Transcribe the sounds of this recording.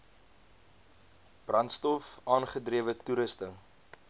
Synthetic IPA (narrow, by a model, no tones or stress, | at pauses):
b̥rɐntstɔfɑːnχədriəvətuɾəstə